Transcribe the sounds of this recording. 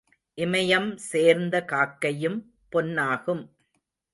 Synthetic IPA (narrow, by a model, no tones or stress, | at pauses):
ʔɪmɐjɐmseːɾnd̪ɐkaːkːɐjɯm | pɔnːaːɣɯm